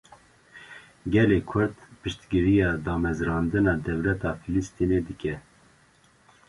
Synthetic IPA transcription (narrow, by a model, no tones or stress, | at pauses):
ɡɛleːkʰʊɾt̪pɨʃt̪ɡɨɾijɑːd̪ɑːmɛzɾɑːnd̪ɨnɑːd̪ɛvlɛt̪ɑːfilist̪ineːd̪ɨkʲɛ